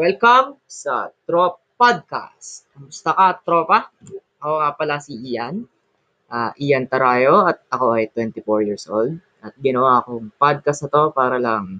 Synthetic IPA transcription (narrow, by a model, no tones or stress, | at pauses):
wɛlkɐmsɐt̪ɾo | pad̪̚ka̰st̪ | mʊst̪akɐt̪ɾoːpɐ | ɐkoŋapɐlasiʔijan | ʔaːʔijɐnt̪ɐɾaːjoɐt̪̚ɐko̞ʔɐjt̪wɛnt̪ɪfoɹjiɹsʔo̰ld̪̚ | ɐt̪̚ɡɪnɐwaːkoŋpad̪̚kɐst̪ɐt̪o̞paːɾɐlɐŋ